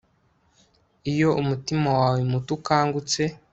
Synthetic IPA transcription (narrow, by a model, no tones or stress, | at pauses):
ijo̞ʔumutimawaːwemutukaːŋɡut͡se̞